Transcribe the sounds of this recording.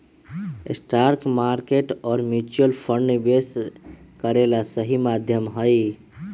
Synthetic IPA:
esʈaːɾkmaɾkeʈɔːɾmjut͡ʃuəlpʰəɳɖbes | kəɾelasəɦimad̪ʱjəmɦəi

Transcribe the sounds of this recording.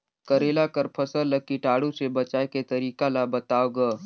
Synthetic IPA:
kɐɾeːlakəɾpʰɐsəllɐɡ̚kiʈaːɽũsebɐt͡ʃaːeket̪ɐɾiːkalabɐt̪aːoɡaː

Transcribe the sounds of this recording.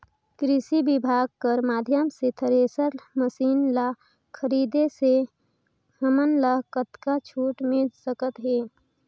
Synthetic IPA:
kɾɪsibɪbʱaːɡ̚kəɾmaːd̪ʱjəmset̪ʰəɾeːsəɾməsiːnla | kʰəɾiːd̪ese | əmənlaɦkət̪kat͡ʃʰuːʈmɪd͡ʒsəkət̪ɦeː

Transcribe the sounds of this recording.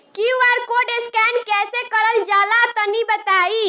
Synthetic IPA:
kiuaɾkoɖeskɛnkɛsekəɾəld͡ʒalat̪ənibət̪ai

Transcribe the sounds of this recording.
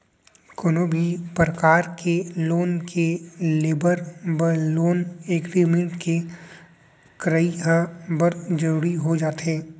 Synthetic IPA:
kʊnoːbʱipɾəkaːɾkʰeloːnkʰeleːbəɾbəloːneːkɾiːmẽɳʈke | kɾəiɦəbəɾd͡ʒəɾuːɾiɦod͡ʒaːt̪ɦɛː

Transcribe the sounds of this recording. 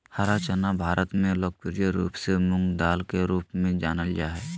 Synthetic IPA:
haɾat͡ʃənabʱaːɾʔət̪mẽloːk̚pɪɾjəɾuːpsemʊ̃ŋɡd̪aːlkeɾuːpmẽd͡ʒaːnəljaɦɛː

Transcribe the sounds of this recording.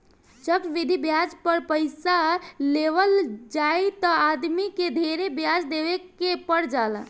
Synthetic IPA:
t͡ʃəkt͡ʃʋid̪ʱibjad͡ʒpəɾpəɪsaleʋəld͡ʒajt̪ɔad̪miked̪ʱeɾebjad͡ʒd̪eʋekepəɽd͡ʒala̰

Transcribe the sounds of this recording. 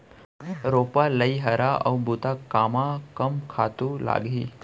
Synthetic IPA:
ɾopaləiɦəɾaə̰wbut̪akamakəmkʰat̪ula̰ɡiː

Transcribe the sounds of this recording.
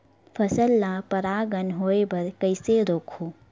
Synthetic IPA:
pʰəsəlːapəɾaːɡənɦoːebəɾkəɪseɾoːkʰu

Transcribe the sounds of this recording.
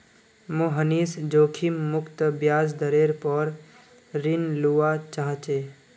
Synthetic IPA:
mõɦəniːsd͡ʒoːkʰimːʊkt̪bjaːsd̪əɾeɾpəɾ | ɾinluːat͡ʃaɦt͡ʃe

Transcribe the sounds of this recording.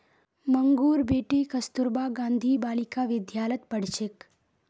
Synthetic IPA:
məŋɡuːɾbeːʈikəst̪uɾbaɡãːnd̪ʱiːbaːlikaʋɪd̪ʱjaːlət̪pəɽ̤t͡ʃek

